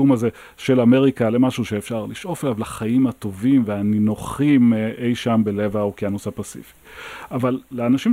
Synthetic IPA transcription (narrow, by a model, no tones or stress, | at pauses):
umaze̞ | ʃelame̞ʁikalemaʃuʃeefʃaʁliʃʔo̞felavlaχajimhat̪o̞vimveaninoχimʔejʃambele̞vaokjanosapasḭfi̥avalːeanaʃim